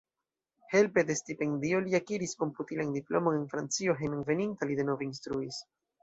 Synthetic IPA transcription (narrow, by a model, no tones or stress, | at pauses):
he̞lpe̞de̞stipe̞ndio̞liakiɾisko̞mputilandiplo̞̰mo̞ne̞nfɾant͡sio̞ɦenunve̞nintalide̞no̞veinstɾuis